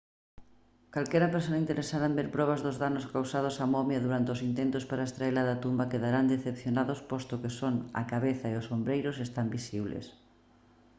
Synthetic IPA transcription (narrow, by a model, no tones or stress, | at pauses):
kalkɛɾɐpeɾsonaint̪eɾesaðaembeɾpɾɔβazðʊzðanʊskawsað̞ʊsamɔmjaðuɾant̪ɪosint̪ent̪ʊspaɾaest̪ɾaeɾlaðat̪umbakeðaɾand̪eθepθjonaðospɔst̪okesoŋa̰kaβeθaeʊsombɾejɾʊsest̪ambisiβlḛs